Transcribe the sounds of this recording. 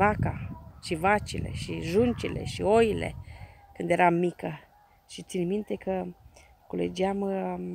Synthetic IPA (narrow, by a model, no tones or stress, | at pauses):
vakaʃivat͡ʃile̞̰ʃiʒunt͡ʃile̞̰ʃio̞jile̞̰kɨnd̪je̞ɾamːikə | ʃit̪sinmint̪e̞kə | kulḛd͡ʒiam